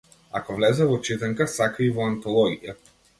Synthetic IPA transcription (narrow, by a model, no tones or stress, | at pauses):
akɔvlɛzɛvɔt͡ʃit̪ɛŋkasakaivɔant̪ɔlˠɔɡija